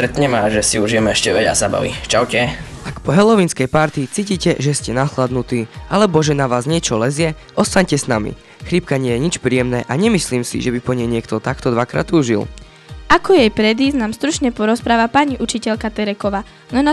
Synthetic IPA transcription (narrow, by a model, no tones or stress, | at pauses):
st̪ɾɛt̪ɲɛmaʒɛsiuʒijɛmɛɛʃcɛʋɛɟa̰zaba̰ʋḭt͡ʃaʊcɛʔakpɔɦɛlɔʋinskɛjpaɾt̪it͡siːciːcɛʒɛscɛnaxlad̪nut̪iːʔalɛbɔʒɛnaʋaːzɲɪɛt͡ʃɔlɛzɪɛ | ʔɔst̪aɲcɛsnamḭ | xɾip̚kaɲɪɛjɛɲit͡ʃpɾiːjɛmnɛːʔaɲɛmisliːmsḭʒɛbipɔɲɛjɲɪɛkt̪ɔt̪akt̪ɔd̪ʋakɾa̰ːt̪uːʒḭl | ʔakɔjɛjpɾɛd̪iznaːmst̪ɾut͡ʃɲɛpɔɾɔspɾaːʋapaɲiʔut͡ʃicɛʎkat̪ɛɾɛkɔʋaː | nɔna